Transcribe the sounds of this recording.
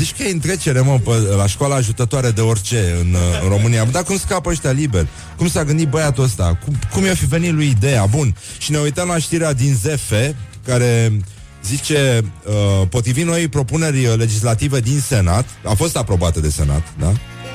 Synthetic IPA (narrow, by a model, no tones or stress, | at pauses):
zit͡ʃʲkəjeɨnt̪ɾe̞t͡ʃe̞ɾeməpəlaʃkwalaːʒut̪ət̪oaɾed̪e̞o̞rʲt͡ʃe̞ɨnɨ̰nro̞mɨniad̪akumskapəaʃt̪ʲalibelʲ | kumsaɡɨnd̪it̪̚bəjat̪uəst̪a̰kukumjefive̞nit̪luid̪e̞jabun | ʃine̞ujt̪əmlaʃt̪iɾead̪inze̞fe̞ | kaɾe̞ | zit͡ʃe̞əpo̞t̪ɾivimno̞jpɾo̞pune̞rʲle̞d͡ʒis̬lat̪ive̞d̪inse̞nat̪afo̞st̪apɾo̞bat̪əd̪e̞se̞̰na̰t̪d̪a̰